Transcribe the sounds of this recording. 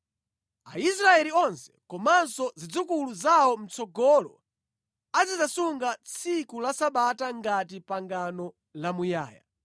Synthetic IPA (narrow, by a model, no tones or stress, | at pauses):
aisɾaɛliɔnsɛ̥kɔmansɔzid͡zukuluzaɔm̩t͡sɔɡɔlɔ | ad͡zizasuŋɡat͡sʰikulasaɓataŋɡatipaŋɡanɔ | lamuja̰ːja̰